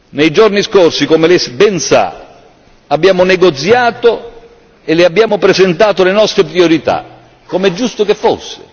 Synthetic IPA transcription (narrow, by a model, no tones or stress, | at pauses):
nejd͡ʒorniskorsikomelesbɛnsa̰ | abːjaːmonɛɡot̪sjaːt̪o | elɪabːjaːmopɾezent̪aːt̪olenɔst̪ɾepɾioɾit̪a̰ | komɛd͡ʒːust̪okefːo̰sːḛ